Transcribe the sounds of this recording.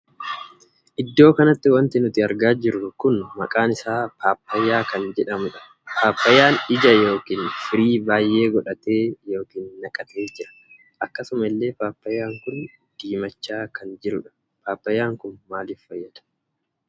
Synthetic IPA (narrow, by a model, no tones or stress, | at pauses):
ʔɪd̪ːo̞ːkɐnɐt̪ːɪwɐnt̪ɪnʊt̪ɪɐɾɡaːd͡ʒɪɾʊkʊnmɐkʼaːnɪsaːpaːpːɐjːaːkɐnd͡ʒɛᶑɐmʊᶑɐ̥ | pʰaːpːɐjːaːnɪd͡ʒɐjo̞ːkiːnfɪɾiːbaːjʔe̞ːɡɔᶑɐt̪eːjo̞ːkiːnːɐkʼɐt̪e̞ːd͡ʒɪɾɐ̥ | ʔɐkːɐsʊmɐɪlːe̞ːpaːpːɐjːaːŋkʊn | d̪̥iːmɐt͡ʃːaːkɐnd͡ʒɪɾʊᶑɐ̥ | paːpːɐjːaːŋkʊnmaːlɪffɐjːɐd̪̥ɐ̥